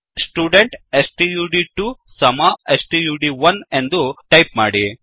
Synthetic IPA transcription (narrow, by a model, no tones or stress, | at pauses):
sʈuːɖeɳʈesʈijuːɖiʈu | sɐmaːesʈijuːɖiʋɐnend̪uʈɐjpma̰ːɽi